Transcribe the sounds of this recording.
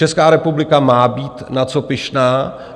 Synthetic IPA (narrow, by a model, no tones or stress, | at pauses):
ɛskaːɾɛpublɪkamaːbiːt̪nat͡sopɪʃnaː